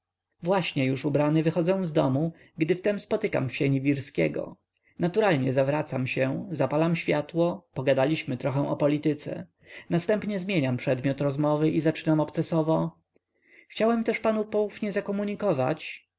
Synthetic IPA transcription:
vwaɕɲɛjuʂubɾanɘvɘxɔd̪zɛ̃w̃zd̪ɔmu | ɡd̪ɘft̪ɛmspɔt̪ɘka̰mɕɛɲivʲiɾskʲɛ̰ɡɔ̰ | nat̪uɾalɲɛzavɾat̪samɕɛzapalamɕfʲjat̪wɔpɔɡad̪alʲiɕmɘt̪ɾɔxɛ̃ʔɔpɔlʲit̪ɘt̪sɛ̰ | nast̪ɛmpɲɛzmʲjeɲampʂɛd̪mʲjɔt̪ɾɔzmɔvɘʔizat͡ʂɘnamɔpt̪sɛsɔvɔ | xt͡ɕawɛmt̪ɛʂpanupɔufɲɛzakɔmuɲikɔva̰t͡ɕ

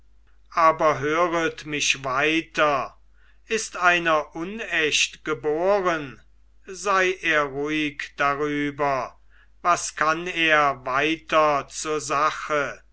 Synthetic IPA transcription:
ʔaːbɐɦøːʁətmɪʃvaɪtɐ | ʔɪstaɪnɐʔʊnɛʃtɡ̥əboːʁən | zaɪʔeːɐʁuɪkd̥aʁyːbɐ | vaskʰaneːɐvaɪtɐt͡suːɐzaχə

